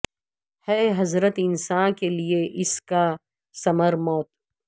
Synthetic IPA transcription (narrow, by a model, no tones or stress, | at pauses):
hɛːɦɐzɾət̪ɪnsaːnkelieʔɪska | sɐməɾmɔːt̪̚